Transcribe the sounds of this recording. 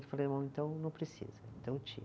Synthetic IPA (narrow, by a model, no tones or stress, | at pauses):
kɪ̥falejmɐ̃w̃ẽnt̪ɐ̃w̃nɐ̃w̃pɾesḭzɐẽnt̪ɐ̃w̃t͡ʃḭ